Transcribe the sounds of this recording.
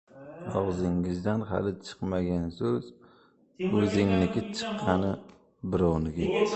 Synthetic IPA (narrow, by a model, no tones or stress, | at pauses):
ɒʁzɪŋɪzd̪anɦa̰lɪt͡ʃʰɨ̥qmaɡʲansɵz | ɵzɪŋnɪkʲɪt͡ʃʰɨ̥qʰːɑnɪ | bɪɾɒwnɪɡʲɪ